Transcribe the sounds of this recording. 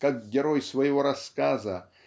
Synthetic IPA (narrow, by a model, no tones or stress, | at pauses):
kak̚ɡʲɪɾojsvɐjɪvoɾɐskazə